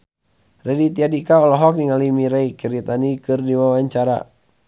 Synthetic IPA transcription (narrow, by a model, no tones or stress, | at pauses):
rɛdit̪iadikaɔlɔɦɔkniŋalimiɾeikiɾit̪anikɨrdiwawaɲt͡ʃaɾa̰